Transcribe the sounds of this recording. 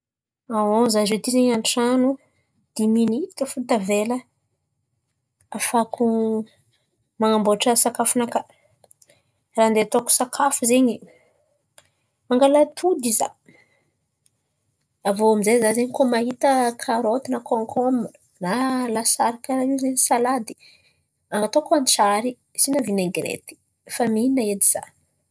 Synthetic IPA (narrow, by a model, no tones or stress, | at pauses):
awozazet̪izeɲanʈ͡ʂanu | d̪̥iminit̪əfut̪avelə | afakʰu | maŋamboʈ͡ʂəsakafunaka | rand̪et̪oku̥sakʰafuzeɲi | maŋɡalat̪ʰud̪iza̰ | avoamizezazeɲikomaɦit̪əkʰaɾot̪inakoŋkʰom | nalasaɾakʲaɾaizeɲisalad̪i̥ | aŋɡat̪okanit͡ʃaɾi | sinavineŋɡiɾḛt̪i̥ | faminaed̪iz̥a̰